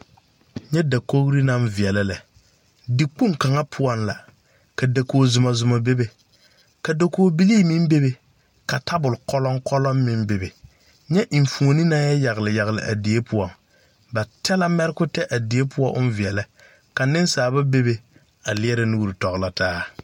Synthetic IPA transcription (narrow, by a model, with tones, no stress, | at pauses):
ɲɛ˦da˨ko˦ɣɾi˦na˦mvi˨ɛ˨la˦lɛ˨ | di˦k͡pu˦ka˨ŋa˦pʰʊ˦ɔ˦nla̰˨ | ka˨da˨koː˨zʊ˨ma˨zʊ˨ma˨be˦be˨ | ka˨do˨koː˨˦bi˦liː˦mɪ˦m˦be˦be˨ | ka˨tʰa˦bʊ˨lkɔ˦lɔ˦ŋkɔ˦lɔ˦mːɪ˦mbe˨be˨ | ɲɛ˦ʔi˨ɱ˨fu˨o˨ni˦na˦jɛ˦ja˨ɣɪ˨lɪ˨ja˨ɣɪ˨lɪ̰˨ʔa̰˨di˨˦e˦pʰʊ˦ɔ˨ŋ | ba˨tʰɛ˦la˦mɛ˦ɾɪ˦kʊ˦tɛ˦ʔa˨di˨e˦pʰʊ˦ɔ˦ʔʊ˦nvi˨ɛ˨la˦ | ka˨nɪ˦nsaː˨ba˦be˦be˨ | a˨lɪ˦ɛ˦ɾɪ˦nu˦ɾi˨tɔ˨ɣla˦taː˦